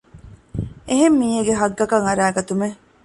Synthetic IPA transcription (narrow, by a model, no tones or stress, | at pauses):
eɦemːiːɦeɡeɦɐɡːɐkɐŋɐɾæːɡɐt̪ume